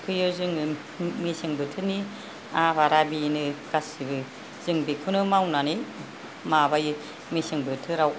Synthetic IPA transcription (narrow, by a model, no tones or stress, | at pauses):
pʰɯjɯzɯŋɯ | mesɯŋbɯtʰɯni | abaɾabinɯɡ̥asibɯ | z̥ɯŋbekʰunɯmawnani | mabaj | mesɯŋbɯtʰɯɾaw